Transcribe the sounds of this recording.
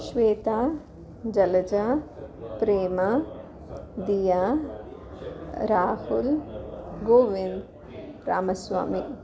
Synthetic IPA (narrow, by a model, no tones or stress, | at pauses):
ʃʋeːt̪aː | d͡ʒɐlɐd͡ʒapɾeːmɐ | d̪ijaː | ɾaːhul | ɡoːʋind̪ | ɾa̰ːmɐsʋa̰ːmi